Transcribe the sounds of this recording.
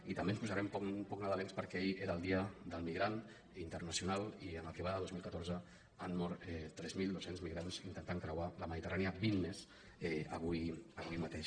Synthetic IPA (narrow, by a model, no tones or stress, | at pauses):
it̪əmbenspuzaɾɛmpɔmpɔknaðəlenspəɾkɛiʔeɾəlˠd̪iəd̪əlˠmiɣɾan | int̪ərnəsiunaliənləkiβaðəðozmilˠkət̪ɔɾzə | anmɔɾt̪ɛt̪ːɾɛzmilˠd̪osenzmiɣɾanzint̪ənt̪aŋkɾəwaləməðit̪əraniəbinːes | ɛə̰βujəβujmat̪eʃ